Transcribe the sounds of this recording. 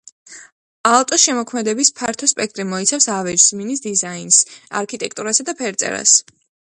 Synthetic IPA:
aɔt̪ʼɔsʃɛmɔkʰmɛd̪ɛbispʰaɾt̪ʰɔspʼɛk̚ʰt̪ʼɾimɔit̪sʰafsavɛd͡ʒzminisd̪izainsa̰ɾkʰit̪ʼɛkʰt̪ʼuɾasad̪apʰɛɾt̪sʼɛ̰ɾa̰s

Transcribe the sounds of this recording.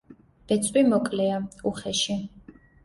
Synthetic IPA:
b̥ɛt̪sʼwimɔkʼlɛauχɛʃi

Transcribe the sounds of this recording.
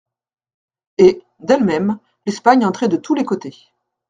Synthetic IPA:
e | d̪ɛlmɛm | lɛspaɲɑ̃t̪χɛd̪ət̪ulekot̪e

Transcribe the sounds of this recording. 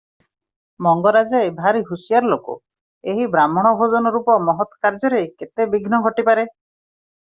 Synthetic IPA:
mɔŋɡɔɾad͡ʒebʱaɾiɦusijaɾɔlokṵ | eɦibɾamɔɽ̃ɔbʱod͡ʒɔnɔɾupɔmɔɦɔt̪ɔ̥kaɾd͡ʒɔɾeket̪ebiɡʱnɔɡʱɔʈipaɾe

